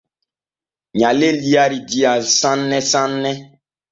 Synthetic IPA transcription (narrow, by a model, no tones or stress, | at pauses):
ɲãleliaɾidiasãnːɛsãnːɛ